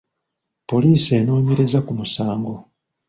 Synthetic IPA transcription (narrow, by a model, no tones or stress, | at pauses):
po̞liːsie̞ːno̞ːɲe̞ɾe̞zakumusaːŋɡo̞